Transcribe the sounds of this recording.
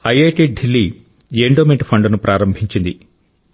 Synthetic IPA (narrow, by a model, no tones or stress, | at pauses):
ɐjeːʈiɖɖʱilːi | jeːɳɖoːmeɳʈpʰɐɳɖnupɾʔaːɾɐmbʱiɲt͡ʃind̪i